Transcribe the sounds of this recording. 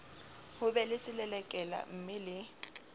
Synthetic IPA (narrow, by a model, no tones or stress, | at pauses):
hʊbɛlɪsɪlɛlɛkʼɛla̰m̩mɪlɪ